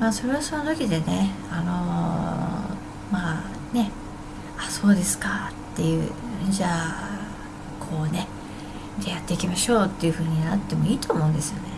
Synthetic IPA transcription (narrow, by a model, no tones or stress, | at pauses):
maːso̞ɾe̞βaso̞not̪o̞kʲid̪e̞ne̞ | ano̞ | maː | ne̞ | aso̞ːd̪e̞sɨ̥kat̪ːe̞jɯ̟ːd͡ʑaː | kʰo̞ːne̞ | d̪ejat̪ːe̞ikʲimaɕo̞ːt̪ːe̞jiɯ̟ɸɯ̟ːɲ̟inat̪ːe̞mo̞iːt̪o̞ːmo̞ɯ̟̃nd̪e̞sɨjo̞ne̞